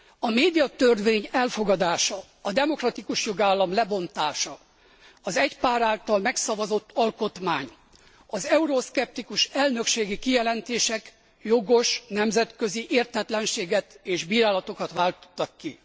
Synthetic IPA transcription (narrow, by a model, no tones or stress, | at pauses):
ɒmeːd̪ijɒt̪ørʋeːɲɛlfo̞ɡɒd̪aːʃɒː | d̪ɛmo̞krɒt̪ikuʃjo̞ɡaːlːɒmlɛbo̞nt̪aːʃɒ | ɒzɛcpaːɾaːlt̪ɒlmɛksɒvɒzo̞t̪ːɒlko̞t̪maːɲ | ɒzɛuɾoskɛp̚t̪ikuʃɛlnø̞kʃeːɡikijɛlɛnt̪eːʃɛk | jo̞ɡo̞ʃnɛmzɛt̪kø̞ziʔeːrt̪ɛt̪lɛnʃeːɡɛt̪eːʒbiːɾaːlɒt̪o̞kɒt̪ʋaːlt̪o̥t̪ːɒkːi